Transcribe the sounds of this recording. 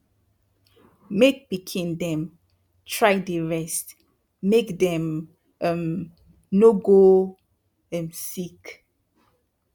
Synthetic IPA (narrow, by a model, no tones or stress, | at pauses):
mek̚bikʰĩndɛ̃m | tʰɹajdəɹɛstː | ekdɛ̃m | ɛ̃m | noɡo | ɛ̃nsik